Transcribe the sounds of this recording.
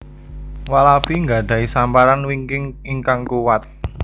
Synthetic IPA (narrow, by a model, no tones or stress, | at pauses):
walapiŋɡaɖ̥ä̤isampaɾanwiŋkɪŋiŋkaŋkuwat̪̚